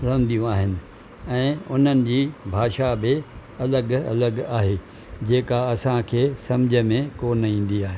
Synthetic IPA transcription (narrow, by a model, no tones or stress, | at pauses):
ɾɐ̃nd̪ijũaːɦɪnɪ̆ | ɛ̃ːʊn̤ənɪ̆d͡ʑiːbʱaːʃabɪɐləɡɐ̰ləɠaːɦeː | d͡ʑeːkaɐsãkʰeːsɐmd͡ʑʱə̆mẽkoːnĩːn̆d̪iaːɦe